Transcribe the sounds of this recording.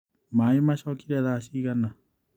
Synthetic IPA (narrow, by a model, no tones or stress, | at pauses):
maimaʃɔkiɾɛðaʃikana